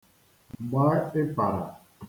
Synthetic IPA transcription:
ɡ͡ba˦e˦pa˨ɾa̰˨

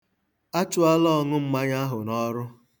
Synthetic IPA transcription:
a˦t͡ʃʊ˨a˦lɔ˦˨ŋʊ˦m̩˦ma˦ɲa˦ɦʊ˨nɔ˦ɾʊ˦

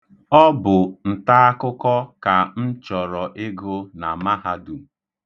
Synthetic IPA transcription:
ɔ˦bʊ˨n̩˨ta˦a˦kʊ˦kɔ˦ka˨n̩˦t͡ʃɔ˨ɾɔ˨ʔɪ˦ɡʊ˦na˨ma˦ɦa˦du˨

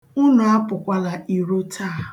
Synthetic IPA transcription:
ʊ˦nʊ˨a˦pʊ˨kʷa˦la˨i˨ɾo˦tʰaː˦˨

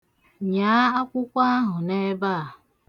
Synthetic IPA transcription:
ɲa˨˦a˦kʷʊ˦kʷa˦ɦʊ˨ne˦ba˦˨

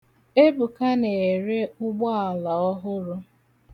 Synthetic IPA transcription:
e˦bu˨ka˦ne˨ɾe˦ʊ˦ɡ͡bɔ˦a˨la˨ɔ˦ɦʊ˦ɾʊ˦

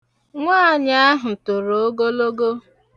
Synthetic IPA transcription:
ŋʷaː˦˨ɲa˦a˦ɦʊ˨tʊ˨ɾo˨o˦ɡo˦lo˦ɡo˦

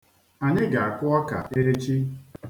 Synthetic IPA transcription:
a˨ɲɪ˦ɡa˨a˨kʊ˦ɔ˦ka̰˨ʔe˦ɾe˦t͡ʃi˦

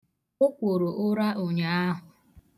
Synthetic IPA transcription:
ʊ˦kʷo˨ɾo˨ʔʊ˦ɾa˦ʔo˨ɲa˨a˦ɦʊ˨

